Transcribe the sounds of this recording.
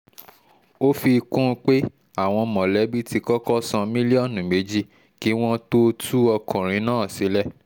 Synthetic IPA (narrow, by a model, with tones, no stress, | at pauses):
o˦fi˧kũ˦˧k͡pe˦ | a˦˨w̃ɔ̃˧mɔ̃˨lɛ˨˦bi˦ti˧kɔ˦kɔ˦sã˧mĩ˦li˦ɔ̃˦˨nũ˨me˨˦d͡ʒi˦ | ki˨˦w̃ɔ̃˦to˦tu˦ɔ˧kɔ̃˨ɾ̃ĩ˨˦nãː˦˨si˨˦lɛ˦